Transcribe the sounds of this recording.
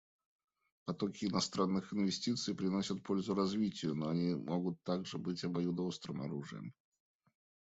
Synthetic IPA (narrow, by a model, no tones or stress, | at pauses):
pɐt̪okʲɪːnɐst̪ɾanːɨxɪnvʲɪsʲtʲit̪sɨjpɾʲɪnosʲət̪̚po̞lʲzʊɾɐzvʲitʲɪjʊnoɐnʲimoɡʊt̪ːaɡʐɨbɨtʲɐbɐjud̪ɐost̪ɾɨmɐ̰ɾuʐɨ̰jə̰m